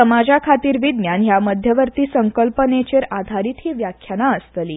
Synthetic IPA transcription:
əmad͡ʑakʰat̪iːɾʋid̪njanɦjaməd̪ʱjəʋəɾt̪iːsəŋkəlpənet͡ɕeɾad̪ʱaɾiːt̪ɦiːʋjakʰːjanaəst̪əliː

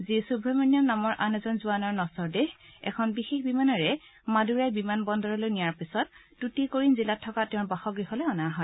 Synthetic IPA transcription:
zisubʱɹɔmɔnijɔmnamɔɹʔanɛzɔnzuanɔɹnɔsɔɹdeɦɛ̰kʰɔnbixexbimanɔɹɛ | maduɹajbimanbɔndɔɹɔlojnijaɹpisɔt̚ː | utikoɹinzilatʰːɔkatɛʊ̃baxɔɡɹiɦɔlɛɔnaɦɔj

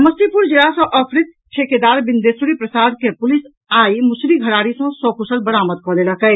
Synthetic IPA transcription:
məst̪ipʊɾd͡ʒɪɾasɔ̃ʔɔpʰɾɪt̪̚ | t͡ʃʰeːked̪aːɾbɪnd̪eːsuɽipɾɐsaːd̪kepʊlɪs | aːimʊsliɡʱɐɾaːɾisõsɔːkusəlbɐɾaːməd̪kɔlelɐkɐj

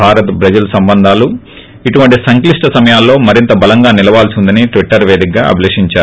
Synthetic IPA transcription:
aːɾɐt̪bɾɐd͡ʒɐlɐsɐmbɐnd̪ʱaːlu | iʈuʋɐɳʈisɐŋkliʂʈɐsɐmɐjaːlːo̞ːmɐɾint̪ɐbɐlɐŋɡaːnilɐʋaːlsind̪ɐniʈʋiʈːɐɾʋe̞ːd̪ik̚ɡaːɐ̰bʱileːʂiɲt͡ʃaːɾu

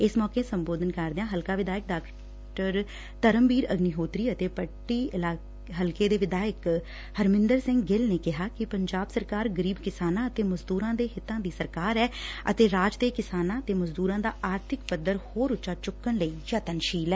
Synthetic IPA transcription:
ɪsmɔːkeːsəmboːd̪ənkəɾd̪eãːɦəlkaːʋɪd̪aːjək̚ɖaːk | ʈəɾ | t̪əɾəmbiːɾəɡniːɦoːt̪ɾiːət̪eːpəʈːiːɪlaː | ɦəlkeːd̪eːʋɪd̪aːjək | həɾmɪ̃nd̪əɾsɪ̃ŋɡɡɪlneːkɪɦaːkɪpəɲd͡ʒaːbsəɾkaːɾɡəɾiːbkɪsaːnãːət̪eːməzd̪uːɾãːd̪eːɦɪt̪ːãːd̪iːsəɾkaːɾɛːə̰t̪eːɾaːd͡ʒt̪eːkɪsaːnãːət̪eːməzd̪uːɾãːd̪aːʔaːɾt̪ʰɪkpəd̪əɾhoːɾʊt͡ʃʃaːt͡ʃʊkːəɳləiːjaːt̪ənʃiːlɛː

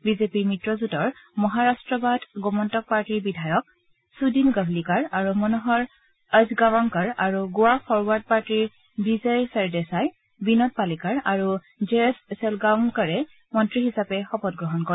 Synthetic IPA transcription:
bizepiɹmitɹɔzutɔɹmɔɦaɹastɹɔbadʱɡɔmɔntɔk̚paɹtiɹbidʱajɔk̚ | sudinɡablikaɹaɹumɔnɔɦɔɹ | əzɡawaŋkaɹaɹuɡuapʰɔɹwaɹd̚paɹtiɹ | bizɛjsɛɹdɛsaj | binɔt̚palikaɹaɹu | d͡ʒessɛlɡawnkaɹɛ | mɔntɹiɦisapɛxɔpɔt̚ɡɹɔɦɔnkɔɛ

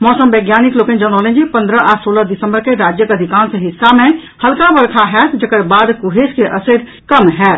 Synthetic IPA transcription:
mɔːsəmbeːɡjaːnikloːkẽnd͡ʒəñoːlnd͡ʒipə̃nd̪ɾəʔasoːləd̪isə̃mbəɾkeɾaːd͡ʒjəkəd̪ʱikaːnsəɦɪsːamẽhəlkãbəɾkʰaɦɛːt̪d͡ʒəkəɾbaːd̪kuɦeskeʔəsed̪ | kəmɦɛːt̪

